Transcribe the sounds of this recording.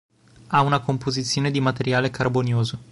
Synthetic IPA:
aunakompozit̪sːjoːned̪imat̪eɾjaːlekarbonjoːzo

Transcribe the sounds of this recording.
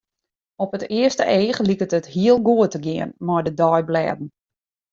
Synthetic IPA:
ɔpətɪəstə̰ʔeːχəlikətəthiəlˠɡuətəɡɪənmɔjdədɔjblɛ̰ːdn̩

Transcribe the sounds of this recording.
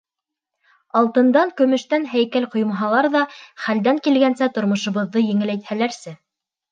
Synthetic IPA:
ɑlˠt̪ɤ̆nd̪ɑŋkɵ̆mɵ̆ʃt̪ænɦæjkælqŏjmɑɦɑlˠɑɾðɑχæld̪æŋkilɡænsæt̪ŏɾmŏʃŏβɤ̆ðːɤjɘ̆ŋɘ̆læjt̪hælæɾsɘ

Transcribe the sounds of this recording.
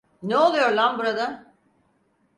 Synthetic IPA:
neo̞lˠujo̞ɾlˠanbuɾad̪a

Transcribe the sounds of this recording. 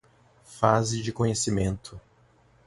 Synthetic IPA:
fazɪd͡ʒɪkõɲesimẽnt̪ʰʊ

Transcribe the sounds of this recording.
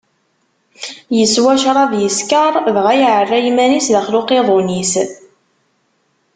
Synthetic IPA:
jəswæʃɾˤɑðjəskəɾˤðʁæjʕərˤːæjmænisðæχlʊqeðˤonis

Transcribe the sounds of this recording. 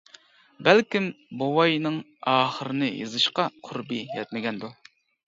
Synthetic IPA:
bɛlkʲimbowɑjnɨŋ | ɑːχəɾɨnɨjɨ̰zɨʃqɑqʰʊɾbɨjɛ̰t̪̚mɪɡʲɛnd̪u

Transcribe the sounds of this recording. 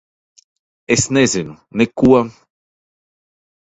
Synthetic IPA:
esnezenu | nekua

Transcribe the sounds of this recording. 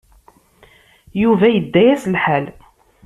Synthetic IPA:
juvæjəd̪ːæjæslħæl

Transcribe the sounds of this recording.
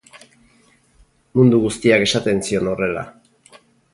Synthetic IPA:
mund̪uɣust̪iake̞sat̪e̞nsio̞no̞re̞la̰

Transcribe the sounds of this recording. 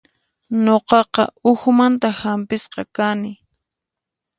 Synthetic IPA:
noqɑqɑ̰ʊxmant̪ahampɪsqɑkanɪ

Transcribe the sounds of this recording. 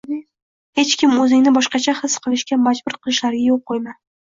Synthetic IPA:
he̞t͡ʃkʲɪmɵzɪŋnɪbɒʃqɑt͡ʃʰahɨsqʰɨlˠɪʃkʲamad͡ʒbʊɾqʰɨlˠɪʃlaɾɡʲajoqʰːojman

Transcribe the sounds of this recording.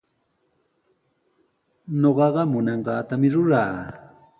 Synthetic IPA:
ɲoɢɑɢɑmʊnɑɴɢɑːt̪amɪɾʊɾaː

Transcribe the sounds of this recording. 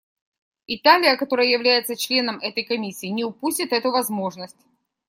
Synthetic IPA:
ɪt̪alʲɪjəkɐt̪o̞ɾəjəjɪvlʲæjɪt̪sət͡ɕlʲe̞nəmɛt̪əjkɐmʲisʲːiːnʲɪʊpusʲtʲɪt̪ɛt̪ʊvɐzmo̞ʐnəsʲtʲ

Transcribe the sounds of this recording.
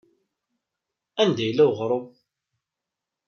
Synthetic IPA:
ænd̪æjlːæwʁɾˤow

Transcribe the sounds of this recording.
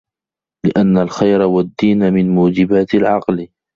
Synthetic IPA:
lɪʔanːalxajɾawad̪ːiːnmɪnmuːd͡ʒɪbaːt̪alʕɑql

